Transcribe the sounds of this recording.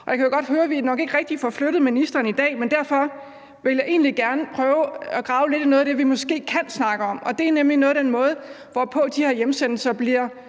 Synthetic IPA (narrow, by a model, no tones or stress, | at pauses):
ɒ̽jɑ̈kʰæjoɡ̥ɒ̽d̥høːɐʋinɒ̽ɡ̥e̝ɡ̥ʁɛɡ̥̚d̥ifɒfløɾ̥ð̩ˠminisd̥ɐːn̩id̥ɛ̰ːmend̥æɐfɒ̽ | ʋe̝ljɑ̈ɪʔe̝̰ːnliɡ̥æɐnəpʰʁœːʊæɡ̥ʁɑ̈ʊle̝d̥nɔːðˠd̥e̝ʋimɒ̽sɡ̥e̝̰ːkʰænsnɑ̈ɡ̥əɒ̽mʔɒ̽d̥e̝æɐnemlinɔ̽ːð̩ˠd̥enmɔ̽ːð̞̩ˠ | ʋɒpʰɔ̽d̥ihæɐjemsenl̩sɐb̥liɐ